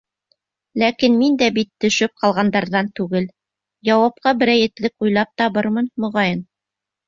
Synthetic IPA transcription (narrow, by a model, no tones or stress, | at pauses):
lækinmind̪æbit̪ːɵ̆ʃɵp̚qɑlˠʁɑnd̪ɑɾðɑnt̪ʉɡɘl | jɑwɑp̚qɑbɘ̆ɾæjɘ̆t̪lɘkujlˠɑp̚t̪ɑβɤɾmɤnmŏʁɑjɤn